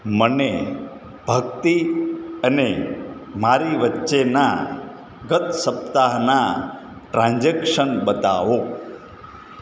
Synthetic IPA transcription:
məne | b̥ʱəɡt̪iənemaɾiʋətːʃena | ɡət̪səp̚t̪aɦna | ʈɾãnd͡ʒekʃənbət̪a̰ʋo

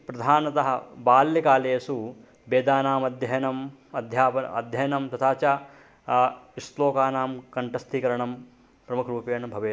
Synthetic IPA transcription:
pɾɐd̪ʱaːnɐt̪ɐɦɐ̰baːljɐkaːleːsu | beːd̪aːnaːmɐd̪ʱjɐjɐnɐmɐd̪ʱjaːpɐɐ̰d̪ʱjɐjɐnɐmt̪ɐt̪ʰaːt͡ʃa | isloːkaːnaːmkɐɳʈɐst̪ʰiːkɐɾɐɳɐm | pɾɐmukʰɐɾuːpeːnɐbʱɐʋeː

